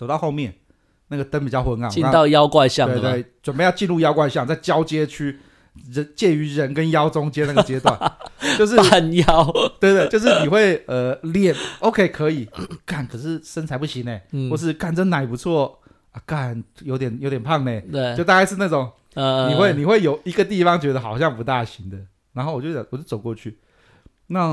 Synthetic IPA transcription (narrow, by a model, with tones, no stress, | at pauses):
t͡so˨˩t̪ɑ˥˧ʊxo˥˧ʊmjɛ˥˩n | na˥˩ɡə˩t̪ə˦npi˨˩t͡ɕjɑ˥˩ʊxwə˧˦nka˨˩ŋi˥˧ka˦ŋt̪ɑ˥˧ʊjɑ˦ʊkwa˥˧ɕjɑ˥˨twe˧t̪we˥˩ɪt͡swə˨˩npe˥˧ɪjɑ˥˧ʊt͡ɕi˥˧nɻu˥˧jɑ˥ʊkwa˥˧ɪɕjɑ˥˨ŋt͡sa˥˩ɪt͡ɕjɑ˥ʊt͡ɕjɛ˥t͡ɕʰy˥˧ | ɻə˧˦t͡ɕjɛ˥˩y˧˥ɻə˧˥nkə˦njɑ˥ʊt͡sʊ˦ŋt͡ɕjɛ˥na˥˩ə˩t͡ɕjɛ˩˧˥t̪wa̰˥˩no˥˧ʊʂ̬ɻ̩˥˩˨njɑ˦ʊt̪we˥ɪt̪we˥˧t͡ɕjo˥˧ʊʂ̬ɻ̩˥˩ni˨˩xwe˥˩ɪə˨ljɛ˨˩no˧˥ʊkʰe˥ɪkʰɤ˧˥i˨˩ka˥˩nkʰə˨˩ʂɻ̩˥˩ʂə˥nt͡sʰa˧˥ɪpu˥˩ɕi˧˦ŋne˨˩xwɔ˥˧ʂ̬ɻ̩˥˧ka˥˩nʈ͡ʂə˥˩na˨˩ɪ˩pu˧˦t͡sʰwɔ˥˩ | a˧˩ka˥˩njo˧˥ʊt̪jɛ˨˩njo˧ʊt̪jɛ˨˩npʰɑ˥˩ŋne˨˩˥ʊ˧t̪a˥˧ka˥˧ʂɻ̩˥˧na˥˩ʈ͡ʂʊ˨˩˦ŋ˧ | ni˨˩xwe˥˩ɪni˨˩xwe˥˩ɪjo˨˩ʊi˧˥ɡə˧t̪̬i˥˩fɑ˦ŋt͡ɕɥɛ˧˥d̪ə˧xɑ˨˩ʊɕjɑ˥˩ŋp̬u˧˦t̪a˥˩ɕi˧˥ŋd̪ə˨ | na˧˦nxo˥˩ʊwɔ˨˩t͡ɕo˥˩˨wɔ˨˩t͡ɕjo˥˩t͡so˨˩ʊkwɔ˥˧t͡ɕʰy˥˩ | na˥˩